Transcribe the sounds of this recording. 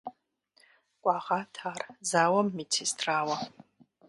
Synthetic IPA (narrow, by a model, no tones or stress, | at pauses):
kʷʼɑːʁaːtʰaːrzaːwɐmːitʰistʰraːwɐ